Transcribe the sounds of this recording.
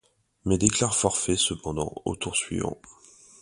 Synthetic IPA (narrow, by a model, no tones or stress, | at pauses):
mɛd̪eklaʁfɔʁfɛsəpɑ̃d̪ɑ̰̃o̰t̪uʁsɥḭvɑ̰̃